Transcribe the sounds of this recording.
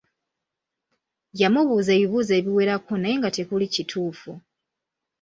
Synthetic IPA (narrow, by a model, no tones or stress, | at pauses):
jamuβuze̞ːβiβuze̞ːβiwe̞ɾakonajeŋɡate̞kulicitʰuːfu